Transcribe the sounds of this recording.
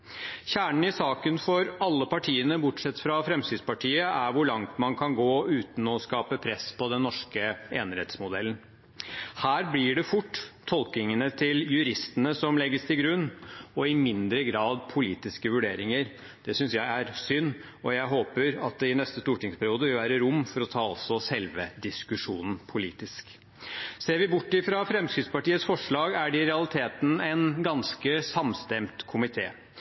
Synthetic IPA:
çæːɳəɳ̩ɪsɑːkənfɔɾɑlːəpɑʈʰiːənəbʊʈʂɛt̪ːfɾɑfɾɛmst̪iːd̪spɑʈʰiːəʔæɾʋʊɭɑŋt̪mɑnkʰɑnɡoːʉːt̪n̩ɔskɑːpəpʰɾɛspʰɔd̪ɛnːɔʂkəeːnɾɛ̰t̪smʊd̪ɛlːən̩ | hæːɾblɪɖɛfʊʈːt̪ʰːɔlk̪ɪŋənət̪ʰɪljʉɾɪst̪ənəsɔmlɛɡːəst̪ʰɪlɡɾʉnːɔɪmɪnd̪ɾəɡɾɑːd̪pʰʊliːt̪ɪskəʋʉɖeːɾɪŋəɾ | d̪̥ɛsʏnsjæɪæɾsʏnː | ɔjæɪɦoːpəɾɑt̪̚d̪ɛɪnɛst̪əst̪uːʈɪŋspʰæɾɪuːd̪əʋɪlʋæːɾəɾʊmːfɔɾɔt̪ʰɑːɔ̰lsɔsɛlʋəd̪ɪskʉʂuːnn̩pʰʊlḭːt̪ɪsk | seːɾʋɪbʊʈːɪfɾɑfɾɛmskɾɪt̪spɑʈiːət̪sfɔʂɭɑːɡæɖɪɾɛɑlɪt̪ʰeːt̪n̩æɪnɡɑnskəsɑmst̪ɛmt̪kʰʊmɪt̪ʰeː

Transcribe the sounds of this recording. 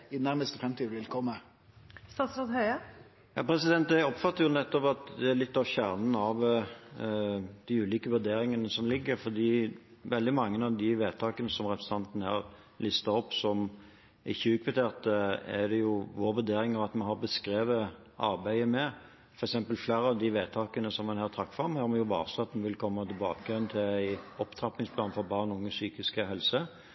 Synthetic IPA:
ɪnæɾməst̪əfɾɛmt̪ʰiːd̪ʋɪlkʰɔmːə | st̪ɑːt̪sɾɑːd̪hœʏə | jɑ̰ːpʰɾɛsɪd̪ɛnt̪æɔpfɑt̪ːəɾjʊnɛt̪ːɔpɑt̪d̪ɛælɪt̪ːɑʋçæːʁnən̩ɑʋ | d̪̥ɪʉːliːkəʋʉɾd̪eːɾɪŋənəsɔmlɪɡːəɾfɔd̪iː | ʋɛld̪ɪmɑŋːənɑʋd̪ɪʋeːt̪ʰɑːkənəsɔmʁɛpɾəsə̥n̩ɑnt̪nəhɑ̰ɾ | lɪst̪ɑɔpːsɔm | ɪçːəʉːkʰʋət̪ʰeːʁt̪əæd̪ɛjʊʋoːɾʋʉɾd̪eːɾɪŋɑʋɑt̪mɛɑnɦɑʁbəskɾeːʋə | ʔɑ̰ɾbæɪəmɛ | fɔɾɛksɛmpəlfleːɾəɑʋd̪ɪʋeːt̪ʰɑːkənəsɔmːɛnhæːʁt̪ʰɾɑk̚t̪fʁɑmhæːɾjʊʋɑ̰ːɾsɑt̪mnʋɪlkʰɔmːət̪ɪlbɑːkəjɛnt̪ʰɪlæɪɔpt̪ʰɾɑp̪ːɪŋspʰlɑːnfɔɾbɑːʁnʊŋːəsyːkɪskəɦɛlsə

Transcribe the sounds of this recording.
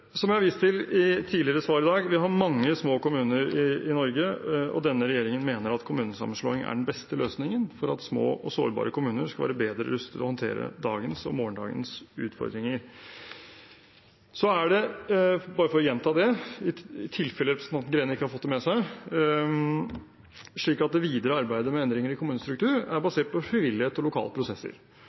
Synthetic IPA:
sɔmjæɪhɑɾʋiːst̪ɪlɪt̪ʰiːlɪəɾəsʋɑːɾɪd̪ɑːɡʋɪɦɑɾmɑŋːəsmoːkʊmʉːnəɾɪɪnɔɾɡəɔ̰d̪ɛnːəɾɛjeːɾɪŋənmeːnəɾɑt̪kʰʊmʉːnəsɑ̰mːən̩ʂɭo̰ːɪŋæ̰ɖɛɳ̩bɛst̪əløːsnɪŋənfɔɾɑt̪smo̰ːʔɔso̰ːɾbɑ̰ːɾəkʰʊmʉːnəɾskɑʋæ̰ːɾəbeːd̪ɾəɾʉst̪ʰɪlɔhɔnt̪ʰḛːɾə̰d̪ɑ̰ːɡənsɔ̰moːɳɖɑ̰ːɡə̰nsʉ̰ːt̪fɔ̰ɾd̪ɾɪŋəɾ | sɔæɖɛ | bɑːɾəfɔɾɔjɛnːt̪ʰɑːd̪ɛɪɪt̪ʰɪlfɛləɾɛpɾəsnɑn̩ɡɾeːnɪkːəhɑɾfɔt̪d̪ɛmɛsæɪ | ʂɭiːkɑt̪̚d̪ɛʋiːd̪əɾəɑɾbæɪd̪əmɛɛnd̪ɾɪŋəɾɪkʰʊmʉːnəst̪ɾʉkt̪ʰʉːɾæɾbɑseːʈ̚pʰɔfɾɪʋɪlːɪheːt̪ɔlʊkʰɑ̰ːləpʰɾʊsɛsːə̰ɾ

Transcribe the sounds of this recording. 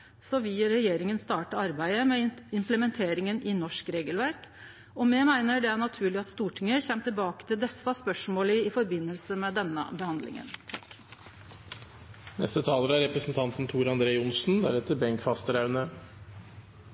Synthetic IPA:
sɔʋɪɾɛjeːɾɪŋənst̪ɑːʈəɑɾbæɪəmɛɪmpləmɛnt̪ʰeːɾɪŋənɪnɔʂkɾeːɡəlʋæɾk | ɔmɛmæɪnəɖɛæɳɑt̪ʰʉːɭɪɑt̪st̪uːʈʰɪŋəçɛmt̪ɪlbɑːkə̥t̪ʰɪld̪ɛsːɑspœʂmoːləɪfɔɾbɪnːəlsəmɛd̪ɛnːə̰bəhɑnd̪lɪ̰ŋə̰nt̪ʰɑ̰k | nɛ̰st̪ət̪ʰɑːləɾæɾɛpɾəsn̩t̪ʰɑnt̪n̩t̪ʰuːɾɑnd̪ɾeːʊnsn̩d̪æ̰ɾɛt̪ːəɾbɛŋkfɑst̪əɾɑʉnə

